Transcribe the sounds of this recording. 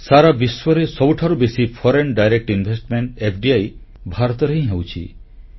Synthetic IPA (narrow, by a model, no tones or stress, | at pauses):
saɾabiswɔɾesɔbuʈʰaɾubesipʰɔɾenɖajɾek̚ʈinbʱesʈmeɳʈepʰɖiaj | bʱaɾɔt̪ɔɾeɦĩɦewt͡ʃʰḭ